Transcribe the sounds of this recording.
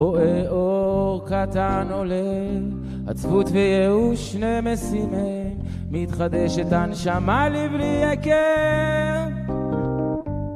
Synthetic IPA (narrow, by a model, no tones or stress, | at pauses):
oɛoʁkat̪anolɛ | a̰t͡svut̪vɛjɛuʃnemesimɛ | mː | it̪χad̪ɛʃɛt̪anʃamalibliɛkɛ